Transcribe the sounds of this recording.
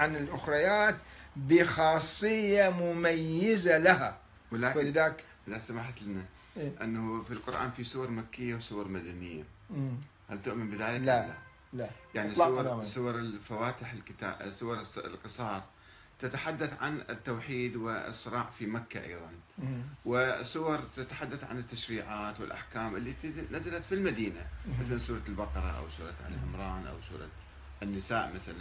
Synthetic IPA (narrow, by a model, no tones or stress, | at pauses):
ʕanɪlʔʊxɾɑjaːt̪bɪxɑːsˤːɨjːamʊmajːɪzalaha | wɪlaːðaːkʔɪðasamaħt̪lɪna | ʔɪnːafilqʊɾʔa̰ːnfisuwɑɾˤmakːɪjːawsʊwɑɾˤmad̪anɪjːa̰ | halt̪ʊʔmɪnbɪðaːlɪklːa | ajaʕniswɾsˤʊwɑɾˤɪlfawaːt̪ɪħɪlkɪt̪a̰ːsʊwɑɾˤlqɨsˤɑːɾˤ | t̪at̪aħad̪ːaθʕa̰nɪt̪ːawħiːd̪wɪ̰sˤːɨɾˤɑːʕfimakːa̰ʔa̰jðˤɑnwɪsʊwɑɾˤt̪at̪ḁħad̪ːaθʕa̰nɪt̪ːaʃɾiːʕaːt̪wɪlʔa̰ħkaːmʔɪlːit̪nazalat̪filmad̪iːnamaθalansuːɾˤɑlbɑqɑɾˤɑʔa̰wsuːɾˤɑa̰lʕɪmɾˤɑːnʔa̰wsṵːɾˤɑ̰ | nːɪsaːʔmaθalan